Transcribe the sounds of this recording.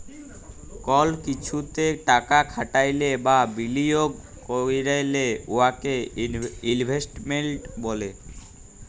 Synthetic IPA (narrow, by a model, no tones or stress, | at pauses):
kɔlkit͡ɕʰut̪eʈakakʰaʈajlebabilijoɡ | koɾiɾajleoake | inbʱesʈmenʈbole